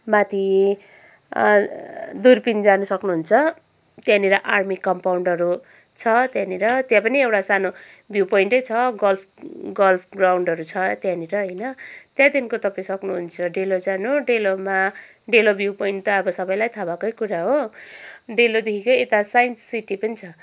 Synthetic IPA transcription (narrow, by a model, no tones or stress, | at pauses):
mat̪ʰi | d̪urpind͡zanusʌknuɦunt͡sʰʌ | t̪jãniɾʌʔarmikʌmpawɳɖʌɾu | t͡sʰʌt̪jãniɾʌt̪jãpʌniewʈasano | bʱjupʌiɳʈʌjt͡sʰʌɡʌlpʰɡʌlpʰɡrawɳɖʌɾut͡sʰʌt̪jãniɾʌɦʌjnʌt̪jãd̪inkot̪ʌpaĩsʌknuɦunt͡sʰʌɖelod͡zanuɖeloma | ɖelobʱjupoiɳʈt̪ʌːbʌsʌbʌjlajt̪ʰabakʌjkuɾaɦo | ɖelod̪ekʰikojet̪asajnssiʈipʌnit͡sʰʌ